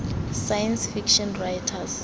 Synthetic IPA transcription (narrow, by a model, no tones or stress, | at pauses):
sajɛnsfikʃɔ̃nrajtʰas